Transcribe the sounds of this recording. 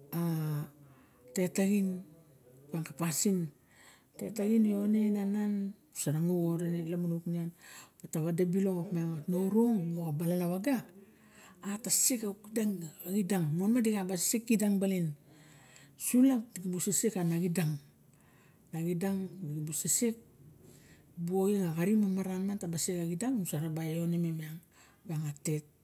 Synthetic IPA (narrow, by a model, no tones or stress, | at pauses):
a | te̞taɡin | paŋkapasin | tetaɡinonenanan | saɾaŋuoɾenelamunuknianbataβadabilookmewatnoɾoŋmoabalalawaɡaː | tasikakidaŋaɡidaŋmonmadiɡabassekːidaŋbalin | suladiɡibusesekanaɡidaŋ | naɡidaŋɡibusesek̚ | buojeŋaɣaɾimamaɾanmantabasekaɡidaŋusaɾabajonememiaŋ | baŋate̞t̚